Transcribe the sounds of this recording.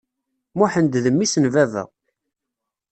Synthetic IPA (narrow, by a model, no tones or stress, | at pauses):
muħənd̪ðəmːisənvævə̰ʁ